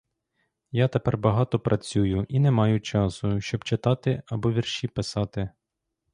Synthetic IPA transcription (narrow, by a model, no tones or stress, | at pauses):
jat̪epɛrbɐɦɑt̪ɔpɾʔɐt͡sʲujʊʔinɛmɑjʊt͡ʃɑsʊʃt͡ʃɔbt͡ʃɪt̪ɑt̪ɪɐbɔʋʲirʃipɪsɑt̪ɪ